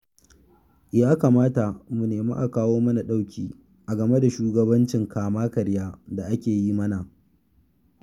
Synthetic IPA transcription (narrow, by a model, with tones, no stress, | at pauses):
jaː˦ka˨maː˦ta˨mu˨neː˨ma̰˦ʔa˨kaː˦woː˦mɐ˦na˨ɗa˦wkʲiː˦ | ʔa˨ɡɐ˨me˦da˨ʃuː˦ɡɐ˨bɐ˦nt͡ʃɪ˨ŋkaː˨maː˦kɐ˨ɽjaː˦da˨ʔa˦kʲeː˨ji˦mɐ˦na˨